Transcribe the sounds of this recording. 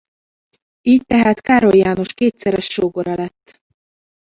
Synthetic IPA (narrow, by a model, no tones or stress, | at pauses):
iːc̚t̪ɛɦaːt̪kaːɾo̞jjaːnoʃkeːt̪sɛɾɛʃːoːɡoɾɒlɛt̪ː